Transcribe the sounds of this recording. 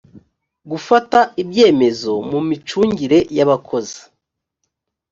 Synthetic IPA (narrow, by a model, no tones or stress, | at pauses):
ɡufataibje̞ːme̞zo̞mumit͡ʃuːɲɟiɾe̞jaβakʰo̞zi̥